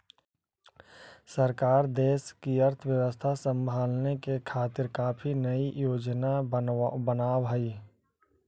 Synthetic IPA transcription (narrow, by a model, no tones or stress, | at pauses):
səɾkaːɾd̪eːskiɐɾt̪ʰəwjəʋəst̪ʰasə̃mbʱaːlnekekʰaːt̪ɪɾkaːpʰinəijoːd͡ʒnabənaːwɦaiː